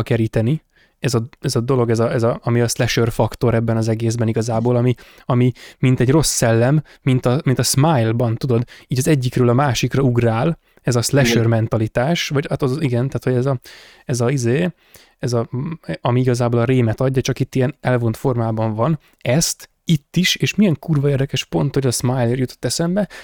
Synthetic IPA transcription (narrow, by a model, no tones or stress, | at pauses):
kɛɾiːt̪ɛni | ɛzɒɛzɒd̪o̞lo̞ɡɛzɒɛzɒɒmiɒslɛʃørfɒkt̪o̞ɾɛbːɛnɒzɛɡeːzbɛniɡɒzaːboːlɒmi | ɒmimint̪ɛɟro̞sːɛlːɛmː | int̪ɒmint̪ɒsmajlbɒnt̪ud̪o̞d̪iːɟɒzɛɟːikrøːlɒmaːʃikrɒuɡraːl | ɛzɒslɛʃørmɛnt̪ɒlit̪aːʃvɒɟat̪ɒziɡɛnt̪aːt̪ho̞ɟɛzɒ | ɛzɒizeː | ɛzɒɒmiiɡɒzaːboːlɒɾeːmɛt̪ɒɟːɒt͡ʃɒkit̪ːiɛnɛlvo̞nt̪fo̞rmaːbɒɱvɒn | ɛst̪ | it̪ːiʃeːʃmijɛŋkuːrvɒeːrd̪ɛkɛʃpo̞nt̪hoɟɒzsmajleːrjut̪o̞̥t̪ːɛsɛmbɛ